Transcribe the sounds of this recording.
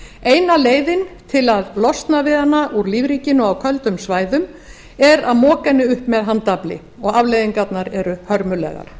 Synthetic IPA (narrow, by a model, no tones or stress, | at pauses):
ejnaleːjðɪnt̪ʰɪlaðlɔst̪navɪðanːaʔuɾliːvɾiːcɪnʏawkʰœlt̪ʏmsvaːjðʏm | ɛɾaðmɔːkɛnːɪʏhpmɛðɦant̪aplɪ̰ | ɔɣavlejðɪŋkat̪naɾɛɾʏhœɾmʏlɛ̰ɣa̰ɾ̥